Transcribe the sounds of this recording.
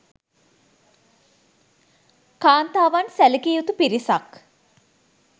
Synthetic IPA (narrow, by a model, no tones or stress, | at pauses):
kaːnt̪aːʋansæləkiːut̪upiɾisak